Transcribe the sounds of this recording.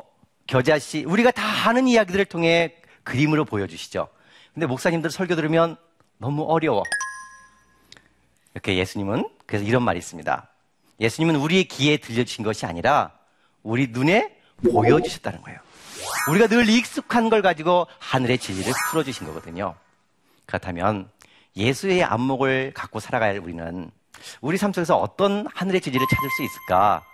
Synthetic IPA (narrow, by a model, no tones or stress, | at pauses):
kjʌd͡ʑaɕʰiuɾiɡatahanɯnijaɡidɯɾɯɭtʰoŋɦe̞ | kɯɾimɯɾopojʌd͡ʑuɕʰi̥d͡ʑo̰ | kɯnde̞mok̚s͈aɲimndɯɾɭsʰʌɭɡjʌdɯɾɯmjʌnː | ʌmuʔʌɾjʌwʌ̰ | iɾʌkʰe̞̰je̞̰sʰuɲimɯnkɯɾesʰʌiɾʌnma̰ɾḭːs͈ɯmɲida̰ | je̞sʰuɲimɯnuɾie̞kie̞tɯʎːʌd͡ʑuɕʰinɡʌɕʰia̰ɲiɾa̰ | uɾinune̞ | pojʌd͡ʑuɕʰʌ̥t͈̚anɯnɡʌejo | uɾiɡanɯɭik̚s͈ukʰanɡʌɭɡad͡ʑiɡohanɯɾe̞t͡ɕiʎːiɾɯɭspʰuɾʌd͡ʑuɕʰinɡʌɡʌdɯɲo̰ | kɯɾʌtʰamjʌn | je̞sʰueʔa̰mːoɡɯɭkak͈osʰaɾaɣajuɾinɯ̰n | uɾisʰamsʰoɡe̞sʰʌʌ̰t͈ʌnhanɯɾe̞t͡ɕiʎːiɾɯɭt͡ɕʰad͡ʑɯɭs͈uis͈ɯ̥ɭk͈a̰